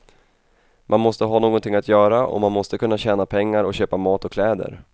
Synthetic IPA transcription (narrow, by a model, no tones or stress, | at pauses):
mʔanmɔst̪əɦaːnoːɡɔnt̪ʰɪŋːat̪jœːɾaʔɔ̰manmɔst̪əkʰɵnːaɕɛːnapʰɛŋːaɾɔɕøːpamɑːt̪ɔkʰlɛːd̪ə̰ɾ